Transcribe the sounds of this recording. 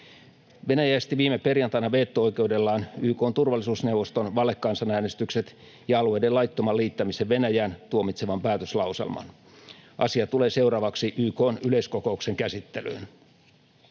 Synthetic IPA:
ʋenæjæːst̪iʋiːmeperjɑnt̪ɑinɑʋeːt̪ːoojke̞ude̞lːɑːnyːko̞ːnt̪urʋɑlːˑisuːsnewʋost̪onʋɑlːekːɑːnsɑnæːnest̪ykset̪ | jɑɑluejdelɑjt̪ːomɑliːt̪ːɑmiseʋʋe̞næjæːnt̪uomit̪se̞ʋɑmpæːt̪øslɑusḛlmɑ̰n | ʔɑ̰siɑt̪ule̞ːse̞urɑːʋɑksiʔyːko̞ːnyleiskoko̞ukseŋkæsit̪ːelø̰ːn

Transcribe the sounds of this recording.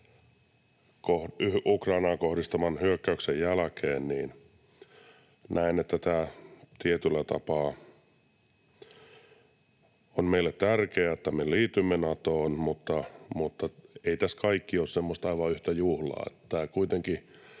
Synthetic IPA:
kohyukrɑinɑːŋkohdist̪ɑmɑnhyøkːæyksejjælkʰeːnniːn | nʔæinet̪ːæt̪æːt̪iet̪ylːæt̪ɑ̰pɑː | onmeilːˑet̪t̪ærkeæet̪ːæmeliːt̪ymːenɑt̪oːnmut̪ːɑmut̪ːɑeit̪æskɑikːioːssemːost̪ɑiʋɑyht̪æjuhlɑ̰ːḛt̪ːæ̥t̪æːkuit̪eŋki

